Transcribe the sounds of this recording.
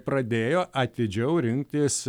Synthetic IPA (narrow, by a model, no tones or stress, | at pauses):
pɾɐd̪ʲeːjoːʔɐt̪ʲɪd͡ʒʲɛʊɾʲɪŋk̚t̪ʲɪs